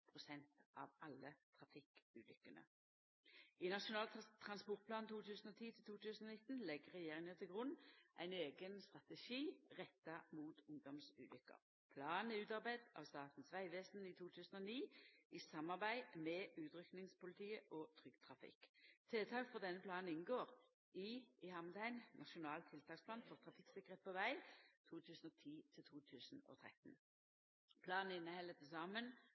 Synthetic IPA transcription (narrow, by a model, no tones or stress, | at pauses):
pʰʁʊsɛnt̪ɑ̰ʋɑlːət̪ʰʁɑfɪkʉːlʏkːənə̰ | inɑʃʊnɑːlt̪ʰʁɑnspɔʁt̪̚pʰlɑːnnt̪ʰuːt̪ʰʉːsən̩ɔt̪ʰiːt̪ʰɪlt̪ʰuːt̪ʰʉːsən̩ɔnɪt̪n̩lɛɡəʁɛjeːʁɪŋət̪ɪlɡʁʊnʔæ̰ɪneːɡənst̪ʁɑt̪ɛʃiːʁɛt̪ːɑmuːt̪ʊŋd̪ɔmsʉ̰ːlʏkːə̰ʁ | pʰlɑːnɪʉːt̪ɑʁbæɪd̪ɑ̰ʋst̪ɑːt̪n̩sʋæɪʋeːsn̩it̪ʰuːt̪ʰʉːsən̩ɔniːɪsɑmːɑʁbæɪmɛʔʉːt̪ʁʏknɪŋspʊlɪt̪ʰiːəʔɔt̪ʰʁʏɡ̥t̪ʰʁɑfɪ̰kt̪ʰeːt̪ʰɑːkfɔʁd̪ɛnːəpʰlɑːn̩ɪnɡoːʁ | iːɪhɑmd̪æɪnnʔɑʃʊnɑːlt̪ʰːɪlt̪ʰɑːkspʰlɑːnfɔʁt̪ʰʁɑfɪksɪkːəʁət̪̚pʰɔʋæɪt̪ʰuːt̪ʰʉːsn̩ot̪ʰiːt̪ʰɪlt̪ʰuːt̪ʰʉːsn̩o̰ːt̪ʰʁɛ̰t̪n | pʰlɑːnɪnːəhɛlət̪ʰɪsɑːmən